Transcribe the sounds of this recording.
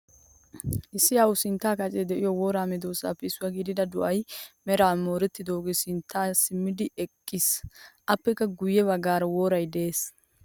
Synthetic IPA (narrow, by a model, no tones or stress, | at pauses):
ʔɪsːɪjawʊsɪnt̪ːaːkɐt͡ʃʼed̪ɛʔɪjɔwoːɾaːmɛd̪oːsa̰ːpːɛɪsːʊwɐɡiːd̪ɪd̪ɐd̪ʊʔɐjmɛɾaːmo̞ːɾɛt̪ːɪd̪o̞ːɡesɪnt̪ʰːaːsɪmːɪd̪ɪɛkʼːɪsʔɐpːɛkːɐɡʊjːɛβɐɡaːɾɐwoːɾɐjd̪ɛeːs